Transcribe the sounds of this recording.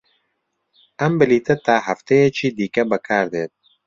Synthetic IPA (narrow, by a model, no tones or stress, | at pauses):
ʔɐmbɨliːt̪ʰɐt̪aːɦɐft̪ejɛt͡ʃʰiːd̪iːkɐbɐkʰaːɾd̪eːt̪̚